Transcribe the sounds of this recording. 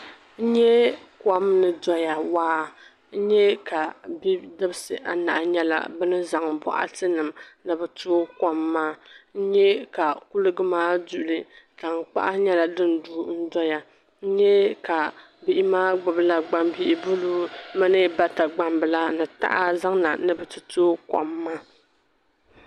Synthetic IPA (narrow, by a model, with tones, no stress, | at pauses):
n̩˦ɲɛ˦ | kɔ˦mnɨ˨dɔ˦ja˨waː˦ | n̩˦ɲɛ˦ka˨bi˦dɨ˦bsɨ˨ʔa̰˨na̰˨ʔɲɛ˦la̰˨bɨ˦nɨ˦za˨ŋbɔ̰˦ʔa̰˦tɨ˦nɨ˨mnɨ˨bɨ˨tuː˦kɔ˦mːaː˦n̩˦ɲɛ˦ka˨ku˦lɨ˦ɡɨ˦maː˦du˦˨lɨ˦ta˨ŋ˨k͡pa̰˦ʔa˦ɲɛ˦la˨dɨ˦nduː˦n̩˦dɔ˦ja˨ | n̩˦ɲɛ˦ka˨ | bɨ˨ʔi˦maː˦ɡ͡bʊ˨bɨ˦la˦ɡ͡ba˦mbi˦ʔɪ˦bʊ˦luː˦mɨ˦nɨ˦ba˦ta˨ɡ͡ba˨mbɨ˨la˦nɨ˨ta̰˦ʔa˦za˦ŋna̰˨nɨ˨bɨ˨tɨ˨toː˦kɔ̰˨mːaː˦